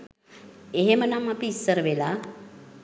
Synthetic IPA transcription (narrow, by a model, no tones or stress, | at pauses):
eɦemənamapiːsːəɾʋela